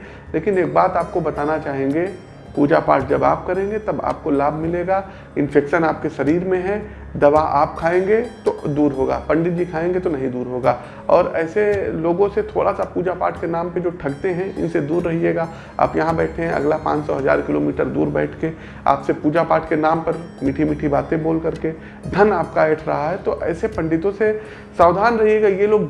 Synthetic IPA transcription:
leːkɪneːk̚baːt̪aːp̚kobɐt̪aːnat͡ʃaːɦẽːŋɡe | puːd͡ʒapa̰ːɾʈ̚d͡ʒɐba̰ːp̚kɐɾẽːŋɡet̪ɐba̰ːp̚kolaːbʱmɪleːɡaː | ɪ̃nfɛːkʃənaːp̚keʃɐɾiːɾmẽɦɛ̃ | d̪ɐʋaʔa̰ːp̚kʰaːẽːɡet̪od̪uːɾɦoːɡa̰ːpɐ̃ɳɖɪʈ̚d͡ʒikʰaːẽːŋɡet̪onɐɦĩd̪uːɾɦoːɡaː | ɔːɾɛ̰ːseloːɡõset̪ʰo̰ːɽʔasapuːd͡ʒapa̰ːʈʰkenaːmped͡ʒoːʈʰɐɽt̪eɦɛ̃ɪ̰nsed̪uːɾːɐɦieːɡaː | a̰ːpjɐɦãbɛːʈʰeɦɛ̃ɐ̰ɡlapã̰ːt͡ʃsɔɦɐza̰ːɾkɪloːmiːʈəɾd̪ṵːɾbɛ̰ːʈʰke | a̰ːpsepuːd͡ʒapaːʈʰkenaːmpɐɾmiːʈʰimiːʈʰibaːt̪ẽboːlkɐɾke | d̪ʱɐnaːp̚kaɛːʈʰɾɐ̰ɦaɦɛt̪oʔɛ̰ːsepɐ̃ɳɖɪt̪õse | saːʋd̪ʱaːnɾɐɦieːɡajeloːɡ

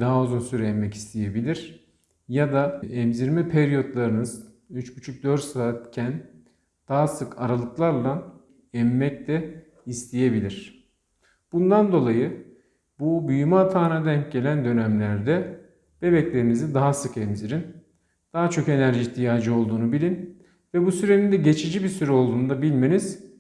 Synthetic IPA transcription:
d̪aɦauzunsyɾɛɛmːɛci̥st̪ʰije̞bilʲiɾ̥ | jad̪aɛmziɾmipʰeɾijo̞t̪lˠaɾɯnɯz̥ | yt͡ʃcyt͡ʃʰuc̚d̪ø̞ɾt̪saːt̪cʰæn | d̪̥aɦasɯkʰaɾalˠɯklˠaɾlˠa | ɛmːɛc̚d̪ɛ | ist̪ʰije̞bilʲiɾ̝̥ | b̥und̪and̪o̞lˠajɯ | bubyjymaat̪ʰaːnad̪ɛnɟe̞lʲænd̪ø̞næmlʲæɾd̪ɛ | b̥e̞bɛclʲe̞ɾinizind̪aɦasɯkɛmziɾin | d̪̥aɦat͡ʃʰo̞ke̞næɾʒiçt̪ʰijaːd͡ʒɯo̞lˠd̪uːnubilʲin | vɛbusyɾenʲind̪ɛɟe̞t͡ʃʰid͡ʒibisyɾɛo̞lˠd̪uːnd̪abilʲme̞niz̥

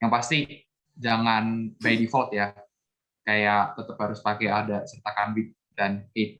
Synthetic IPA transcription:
jaŋpast̪i | d͡ʒaŋanbajdifɔt̪ja | kajaʔt̪ət̪əphaɾʊspakɛadasərt̪akambɪt̪̚ | danhet̪̚

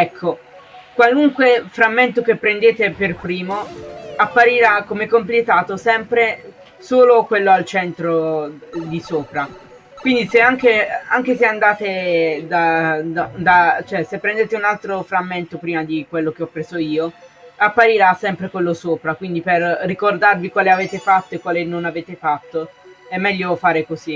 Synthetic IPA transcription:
ɛkʰːo | kwaluŋkwefɾamːent̪ok̟epːɾend̪eːt̪eperpɾiːmoapːaɾiɾakːomekːomplet̪aːt̪osɛmpɾe | soːlokwelːoalt͡ʃɛnt̪ɾo | d̪isoːpɾa | kwind̪iseaŋkeaŋk̟eseand̪aːt̪ed̪ad̪ad̪at͡ʃoɛsepːɾɛnd̪eːt̪eunalt̪ɾofɾamːent̪opɾiːmad̪ikwelːok̟eɔpːɾeːzoiːoapːaɾiɾasɛmpɾekwelːosoːpɾakwind̪iperːikord̪arvikwaːleaveːt̪efat̪ːoekːwaːlenonaveːt̪efat̪ːoɛmːɛʎːofaːɾekozi

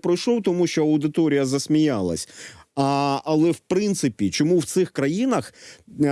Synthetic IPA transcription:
pɾɔjʃlˠɔwt̪ɔmuʃt͡ʃɔɐʊd̪ɪt̪ɔɾʲijɐzɐsʲmʲijalˠɐ̰sʲ | ɐlˠɛwpɾɪnt̪sɪpʲit͡ʃɔmuwt̪sɪxkɾɐjinɐx

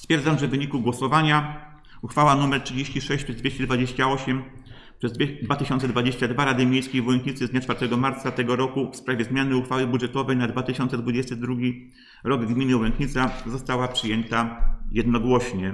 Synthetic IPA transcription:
sst̪fʲjɛɾd̪amʐɛvvɘɲikuɡwɔsɔvaɲa | uxfawanumɛɾtʂɘd͡ʑeɕt͡ɕiʂɛɕt͡ɕpʂɛzvʲjeɕt͡ɕɛd̪vad͡ʑeɕt͡ɕaɔɕɛm | pʂɛzd̪vʲd̪vat̪ɘɕɔnt̪sɛd̪vad͡ʑeɕt͡ɕad̪vaɾad̪ɘmʲejskʲejvuwɛŋkɲit̪sɘzd̪ɲat͡ʂfaɾt̪ɛɡɔmaɾt̪sat̪ɛɡɔɾɔkufspɾavʲjɛzmʲjanɘuxfawɘbudʐɛt̪ɔvɛjnad̪vat̪ɘɕɔnt̪sɛd̪vud͡ʑɛst̪ɘd̪ɾuɡʲi | ɾɔɡɡmʲinɘwɛŋkɲit̪sazɔst̪awapʂɘjɛnt̪ajɛd̪nɔɡwɔɕɲɛ

